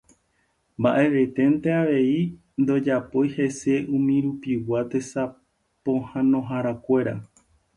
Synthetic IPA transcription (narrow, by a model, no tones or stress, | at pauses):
mbaʔe̞ʋe̞t̪e̞nt̪e̞aʋe̞i | nd̪o̞d͡ʒapojhe̞se̞ũmĩɾupiwat̪e̞sa | põhãnõ̞ɦaɾakʷe̞ɾa̰